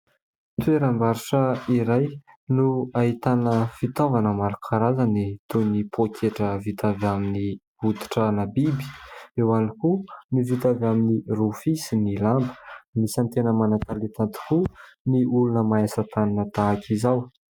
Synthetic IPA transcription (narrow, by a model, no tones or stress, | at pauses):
t̪ueɾambaɾuʈ͡ʂəiɾaj | nuaɦit̪anəfit̪ovanəmaɾukʰaɾazanit̪unipʰokʰeʈ͡ʂəvit̪avamini | vud̪i̥ʈ͡ʂənabibi̥ewanikunivit̪avaminirufisinilambə̥misant̪enəmanat̪alet̪ant̪i̥kuniʔulunəmaasət̪aninət̪aakʰizaw